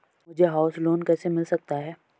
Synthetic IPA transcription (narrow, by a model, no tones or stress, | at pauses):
mʊd͡ʒʱeɦaːʊsloːnkɛːsemɪlsɐk̚t̪aɦɛː